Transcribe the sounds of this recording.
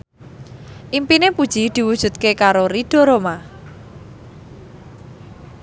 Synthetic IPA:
ʔimpinepud̥ʒ̥id̪̥i̤wud̥ʒ̥ṳt̪̚kekaɾoɾid̪̥ɔ̤ɾoma

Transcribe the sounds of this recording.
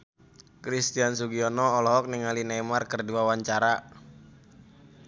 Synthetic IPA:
kɾist̪ians̬uɡiɔnɔɔlɔɦɔk̚niŋalinajmarkərdiwawaɲt͡ʃaɾa

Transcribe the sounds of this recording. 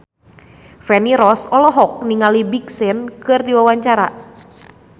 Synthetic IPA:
fɛniɾɔsɔlɔɦɔk̚niŋalibiksɪnkɨrdiwawaɲt͡ʃaɾa̰

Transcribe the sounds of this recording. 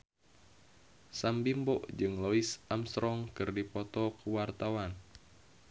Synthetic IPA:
sambimbɔʔd͡ʒɨŋlɔisamst̪ɾɔŋkɨrdipɔt̪ɔkuwart̪awan

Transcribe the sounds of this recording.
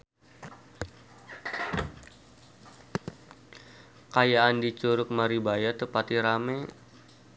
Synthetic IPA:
kajaːndit͡ʃuɾʊk̚maɾibajat̪əpat̪iɾamɛ

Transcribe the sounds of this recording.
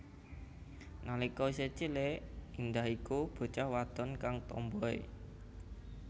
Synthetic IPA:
nalikɔset͡ʃileind̪ahikub̥o̤t͡ʃahwad̪̥ɔ̤nkaŋt̪ɔ̰mbɔḛ

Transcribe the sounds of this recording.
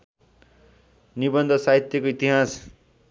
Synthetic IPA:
nibʌnd̪ʱʌsaɦit̪jʌkoit̪iɦas

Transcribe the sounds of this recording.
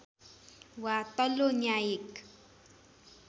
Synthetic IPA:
wat̪aloɲajɪk

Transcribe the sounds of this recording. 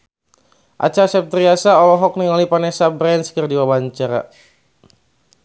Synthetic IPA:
ʔa̰t͡ʃasɛp̚t̪ɾiasaɔlɔɦɔk̚niŋalipanɛsabɾɛnskərdiwabaɲt͡ʃaɾa̰

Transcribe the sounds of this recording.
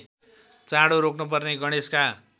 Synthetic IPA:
t͡sãɽoɾokʰnup̬ʌrneɡʌɽ̃eska

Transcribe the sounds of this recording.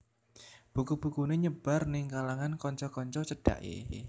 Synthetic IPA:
b̥ṳkub̥ṳkuneɲəb̥a̤rnɪŋkalaŋankɔɲt͡ʃɔkɔɲt͡ʃɔt͡ʃəɖ̥a̰ʔjḛ

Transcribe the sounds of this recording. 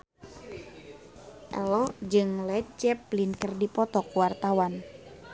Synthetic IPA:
ʔɛlɔd͡ʒɨŋlɛt̪̚t͡ʃɛplinkərdipɔt̪ɔkwart̪awan

